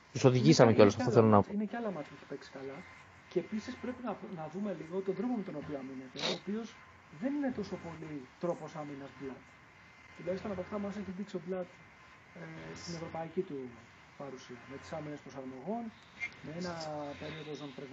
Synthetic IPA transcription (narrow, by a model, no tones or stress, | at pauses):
t̪uso̞ðiʝisɐmeceo̞losɐffoθelonɐine̞ceɐlɐmɐt̪ʰpuçi̥pe̞ksi̥kɐlɐ | ceːpisispɾe̞pinɐnɐðume̞liɣot̪t̪od̪ɾo̞pome̞t̪o̞no̞pioɐmine̞t̪e̞oːpio̞z | ðe̞nine̞t̪o̞so̞po̞lit̪ɾo̞po̞sɐminɐsblɐt̪ | t̪ilɐisp̪ɐnɐpoɐft̪ɐmɐseçid̪iksoblɐt̪ | est̪ine̞vɾo̞pɐicit̪u | pɐɾusiɐmet̪i̥sɐmine̞spɾosɐɾmoɣo̞n | mee̞nɐpe̞ɾio̞ðozonpɾeɣ